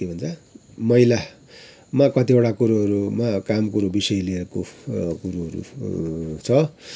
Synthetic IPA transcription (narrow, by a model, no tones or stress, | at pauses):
ibʱʌnt͡sʰʌ | mʌila | makʌt̪ibaɽakuɾuʌɾumakamkuɾubisʌjlieɾkokuɾuɦʌɾṵ | t͡sʰʌ